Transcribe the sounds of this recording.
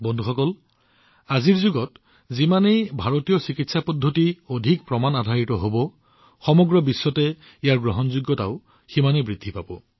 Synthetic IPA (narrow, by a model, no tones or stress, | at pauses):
bɔndʱuxɔkɔl | aziɹzuɡɔt | zimanejbʱaɹotijɔsikitsapɔdʱːotiodʱik̚pɹɔmanadʱaɹitɔɦobɔ | xɔmɔɡɹɔbisːɔtɛ | ijaɹɡɹɔɦɔnzuɡːɔta̰ʊ | ximanebɹidʱːipabɔ̰